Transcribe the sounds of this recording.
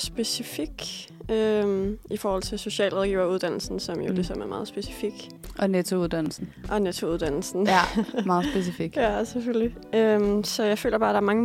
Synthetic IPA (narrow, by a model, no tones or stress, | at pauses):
sb̥e̝sifiɡ̥ømifɒːhɒ̽l̰t͡sʰe̝lso̝ɕɛ̰ːlʁɒðˠɡ̥ḭːʊɐuð̞ˠd̥æn̰l̩sn̩sɒ̽mjo̝d̥e̝sɒm̰æɐmɑ̈ːð̩ˠsb̥e̝si̥fiɡ̥ | ʔɒ̽net͡sʰo̝uðˠd̥æn̰l̩sn̩ʔɒ̽net͡sʰo̝uðˠd̥æn̰l̩sn̩mɑ̈ːð̩ˠsb̥es̬ifiɡ̥jæseføli | ømsɒ̽jɑ̈ɪfø̰ːlɐb̥ɑ̈ːd̥ɑ̈æɐmɑ̈ŋə